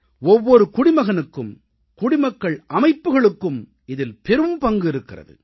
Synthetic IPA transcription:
ɔʋːɔɾɯkʊɽɪmɐɣɐnɯkːɯm | kʊɽɪmɐkːɐɭʔɐmɐɪpːɯɣɐɭɯkːɯm | ɪðɪlpɛɾɯmpɐŋɡɯɪɾɯkːɪrɐ̰ðɯ̰

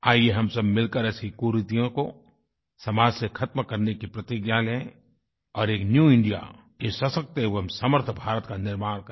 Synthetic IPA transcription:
aːijeɦɐmsɐbmɪlkəɾɛːsikuːɾɪt̪ijõko | sɐmaːd͡ʒsekʰɐt̪mkɐɾnekipɾɐt̪iɡjalẽ | ɔːɾeːknjuːɪ̃ɳɖija̰ | esɐsɐk̚t̪eɦɛoɦɐmsəməɾt̪ʰbʱaːɾət̪kanɪɾmaːɽ̃k

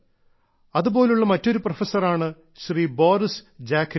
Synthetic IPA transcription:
ɐðubo̞ːleuɭːɐmɐtːo̞ɾuprɐfɐsːɐraːɳɨ | ɕriːboːrisd͡ʑaːkʰɾ

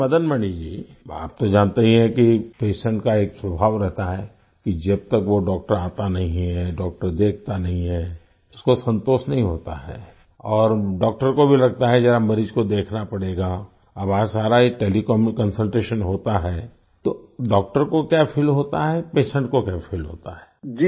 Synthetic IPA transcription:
ɐd̪ənmɐɳid͡ʒiːa̰ːp̚t̪od͡ʒaːnt̪eɦĩɦɛ̃kipeːʃə̃ɳʈkaeːkswɐbʱaːʋɾɛɦt̪aɦɛ | kid͡ʒɐb̚t̪ɐkʋoɖɔːk̚ʈəɾaːt̪anɐɦĩɦɛɖɔːk̚ʈəɾd̪eːkʰt̪anɐɦĩɦɛː | ʊskosɐ̃nt̪oːsnɐɦĩɦoːt̪a̰ɦɛ̰ː | ɔːɾɖɔːk̚ʈəɾkobʱilɐɡ̚t̪aɦɛd͡ʒɛːɾamɐɾiːd͡ʒkod̪eːkʰnapɐɽeːɡa | ɐbaːd͡ʒsaːɾaiʈeːlikɔːmkɐ̃nsəlʈɾeːʃənɦoːt̪aɦɛ | t̪oɖɔːk̚ʈəɾkokjaːfʰɪlɦoːt̪aɦɛpeːʃə̃ɳʈkokjaːfʰɪlɦo̰ːt̪aɦɛːd͡ʒi

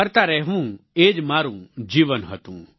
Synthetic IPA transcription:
əɾt̪aɾɛɦʋũeːd͡ʒmaːɾũd͡ʒiːʋənɦət̪ũː

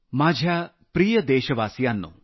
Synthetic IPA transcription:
maːd͡ʒʱaː | pɾiːjɐd̪eːʃɐʋaːsjaːnːṵ

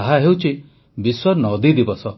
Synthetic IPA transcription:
aɦaɦewt͡ʃʰi | biswɔɾnɔd̪id̪ibɔsɔ

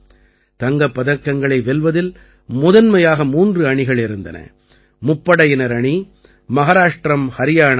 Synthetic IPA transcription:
t̪ɐŋɡɐpːɐðɐkːɐŋɡɐɭɐɪʋɛlʋɐðɪl | mʊðɐnmɐjaːɣɐmuːndrɯɐɳɪɣɐɭɪɾɯnd̪ɐ̰nɐ̰ | mʊpːɐɽɐjɪnɐɾɐɳi | mɐɣaɾaːʂʈɾɐmhɐɾɪjaːɳ

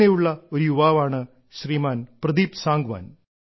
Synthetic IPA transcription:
ejuɭːɐoɾujuʋaːʋaːɳɨ | ɕriːmaːnprɐd̪iːpsaːŋɡʋa̰ːn

